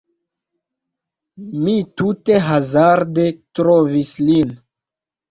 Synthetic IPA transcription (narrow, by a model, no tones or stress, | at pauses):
mitute̞ɦazaɾde̞tɾovislin